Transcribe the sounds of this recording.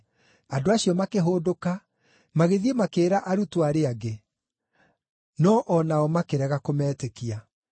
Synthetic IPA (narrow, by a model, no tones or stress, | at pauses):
adoaɕijɔmakeɦoːdoka | maɣeðiemakeːɾaʔaɾutwaɾeaɡe | nɔʔɔnaɔmakeɾɛɣakomɛːtekia